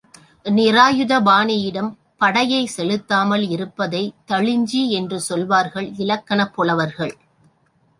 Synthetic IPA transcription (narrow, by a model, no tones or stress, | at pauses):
nɪɾaːjɯðɐbaːnɪjɪɽɐm | pɐɽɐjɐɪsɛlɯt̪ːaːmɐlɪɾɯpːɐðɐɪt̪ɐɭɪɲd͡ʒiɛndrɯsɔlʋaːɾɣɐɭɪlɐkːɐnɐpːɔɭɐʋɐɾɣɐɭ